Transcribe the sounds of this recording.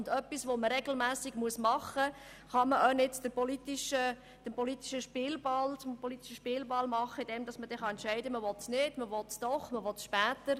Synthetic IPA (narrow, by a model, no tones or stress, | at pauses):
ʊndœpːisʋoməɾɛɡ̥l̩mæːsɪɡmuəsmɑχə | χɑməʔœnɪt͡sd̥əɾpɔlitiʃə | d̥əmpɔlit̪i̥ʃəʃpɪlbɑlt͡sʊmpɔlit̪iʃəʃpɪːlbɑlmɑχːəid̥ɛmd̥̪ɑsməd̥ɛχɑɛntʃɛɪdəməʋɔtsnɪd̥məʋɔtsd̥ɔχməʋɔtʃpæːt̪əɾ